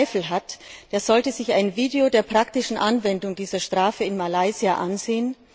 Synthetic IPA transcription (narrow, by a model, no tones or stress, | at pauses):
ɪfl̩ɦatd̥eːɐzɔltəzɪçaɪnviːdeodeːɐpʁ̥ak̚tɪʃn̩ʔanvɛndʊŋdiːzɐʃtʁ̥aːfəɪnmalaɪziaʔanzeːən